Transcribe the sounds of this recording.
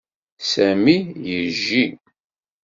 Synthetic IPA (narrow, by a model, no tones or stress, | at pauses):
sæmijəʒːi